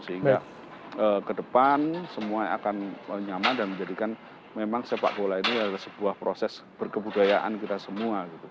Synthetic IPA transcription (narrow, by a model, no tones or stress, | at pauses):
səɦiŋa | əːkədəpansəmuaa̰kanəɲamadanməɲd͡ʒadikan | memaŋsepa̰ʔbolainiaadalasəb̥uahpɾosɛsb̥ərkəbudajaʔa̰nkit̪asəmuaɡit̪u